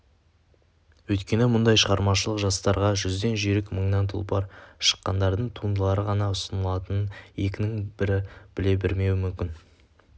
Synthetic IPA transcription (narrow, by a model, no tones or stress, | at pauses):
wɵjt̪kʲe̞nɪmʊnd̪ɑjʃəʁɑɾmɑʃəlˠəqʒɑst̪ɑɾʁɑʒʏzd̪e̞nʒeɾɪkməɴnɑnt̪ʰʊ̰lˠpɑɾʃə̥qːɑnd̪ɑɾd̪əɴt̪ʰund̪əlˠɑɾəʁɑnɑʊsənəlˠɑt̪ənənje̞kʲɪnɪŋb̥ɪɾɪb̥ɪle̞bɪɾme̞wɪmʏmkʲɪn